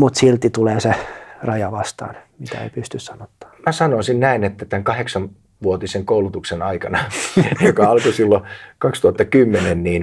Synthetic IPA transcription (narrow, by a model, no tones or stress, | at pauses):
mut̪silt̪ːit̪uleːserɑjɑʋɑst̪ɑ̰ːnmit̪æ̰ḛipyst̪yssɑnot̪ːɑ̥ːmæsɑnosinnæinet̪ːæt̪æŋkɑheksɑn | ʋuot̪iseŋkoulut̪uksenɑikɑnɑjokɑɑlkosilːokɑkst̪uhɑt̪ːɑkymːenenniːn